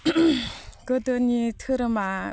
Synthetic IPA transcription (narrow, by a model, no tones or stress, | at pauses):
kət̪ənit̪ʰək̚ɾəma